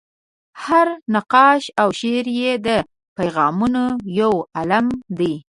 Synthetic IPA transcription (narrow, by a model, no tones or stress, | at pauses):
haɾnaqɑʃawʃeɾjed̪ə | pajɣɑmunojawalamd̪ij